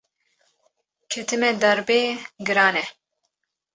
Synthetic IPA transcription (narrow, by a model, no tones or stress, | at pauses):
kʰɛt̪ʰɨmɛd̪ɐɾbeːɡɨɾaːnɛ